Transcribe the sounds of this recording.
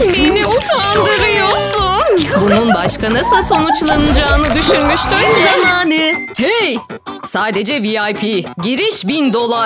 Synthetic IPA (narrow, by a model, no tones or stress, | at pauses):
beniot̪ʰaand̪ɯɾɯjosunbununbaʃkanɯsaso̞nut͡ʃlˠanɯd͡ʒaːɯnɯd̪yʃynmyʃt̪yjzamaːnɯhɛj | saːd̪e̞d͡ʒɛviajpʰiɟiɾiʃbind̪o̞lˠa